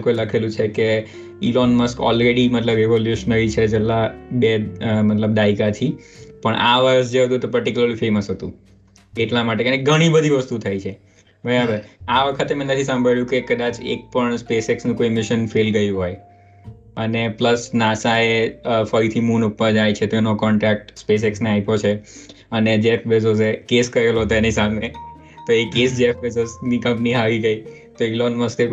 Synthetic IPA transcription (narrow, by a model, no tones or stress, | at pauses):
kojləkʰelũt͡ʃʰeke | ilɔnməskɔ̰lɾeɽimət̪ləbeʋoljuʃənəɾit͡ʃʰed͡ʒelːabemət̪ləb̚d̪aikat̪ʰipəɳʔa̰ʋəɾəs̬d͡ʒeɦət̪̬ũet̪opəɾʈikjuləɾlifeməsɦət̪ṵ̃ | eʈlamaʈekeneɡʱəɽ̃ibəd̪ʱiʋəst̪ut̪ʰajt͡ʃʰe | bʱəabəaʋəkʰət̪emɛ̃nət̪ʰisə̃mbʱəɭjũkekəd̪at͡ʃḛk̚pəɳspeseksnũkoimɪʃənfelɡəjũɦoj | ənepləsnasaefəɾit̪ʰimunupːəɾd͡ʒajt͡ʃʰet̪oenokɔɳʈɾak̚ʈspes̬eksneaipot͡ʃʰe | əned͡ʒepʰbes̬ozekeskəɾelot̪oenisame | t̪oekesd͡ʒefbesosnikə̃mpniɦaʋiɡəit̪oelonməst̪e